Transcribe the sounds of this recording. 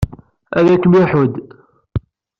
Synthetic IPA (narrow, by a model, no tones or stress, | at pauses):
æðækːmɪħʊd̪